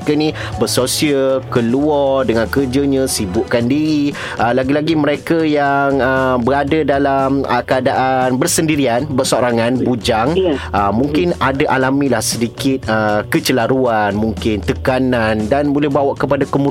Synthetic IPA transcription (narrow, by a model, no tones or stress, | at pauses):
kanĩbərsosiəkəluɔrdəŋãnkərd͡ʒəɲãsibʊʔkandiɾi | ʔəlaɡilaɡimə̃ɾekajaŋəbəɾadədalamə̰kəadaʔanbərsəndiɾianbərsoɾaŋãnbud͡ʒaŋʔəmũŋkɪnadaʔalamĩlahsədikɪt̪̚əkət͡ʃəlaɾuanmuŋkɪnt̪əkanandanbolɛhbawaʔkəpadakəmu